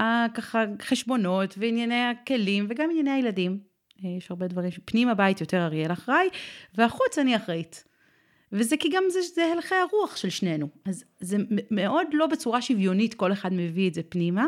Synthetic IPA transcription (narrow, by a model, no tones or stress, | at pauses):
akaχaχeʃbo̞no̞tveinjaneake̞limveɡaminjaneajeladim | jeʃhaʁbe̞dvaʁimʃepnimabait̪jo̞te̞ʁaʁjelaχʁajveaχut͡saniaχʁait | vezekiɡamzeʃzehelχeaʁuaχʃe̞lʃne̞nuaz | zememeʔo̞dlo̞bet͡suʁaʃivjo̞nitko̞leχadmevietzepnima